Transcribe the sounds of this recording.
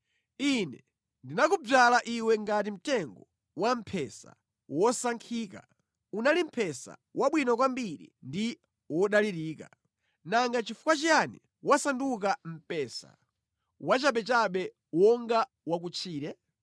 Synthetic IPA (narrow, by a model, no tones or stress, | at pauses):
inɛ | ndinakub͡ʐalaʔiwɛŋɡat̬im̩tɛŋɡɔ | wam̩pʰɛsa̰ | wɔsaŋkʰiːka̰ | unalim̩pʰɛsa̰waɓwinɔk̬wambiɾḭndi | wɔɗaliɾiːka̰ | naŋɡat͡ʃifu̥kwat͡ʃijanḭ | wasandukam̩pɛːsa̰ | wat͡ʃaɓɛt͡ʃaɓɛ | wɔŋɡa | wak̬ut͡ʃʰiːɾɛ